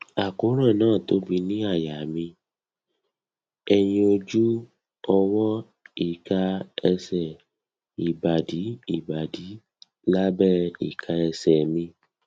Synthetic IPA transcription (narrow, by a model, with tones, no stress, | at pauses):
a˨ko˨˦ɾ̃ã˦˨nãː˦˨to˨˦bi˧nĩ˦a˦˨ja˨mĩ˧ | ɛ˧j̃ĩ˧o˧d͡ʒu˦ | ɔ˧wɔ˦ | i˨ka˧ɛ˧sɛ˨ | i˨ba˨di˨˦i˦˨ba˨di˨˦ | la˦bɛ˦ḭ˨kʰa˧ɛ˧sɛ˨mĩ˧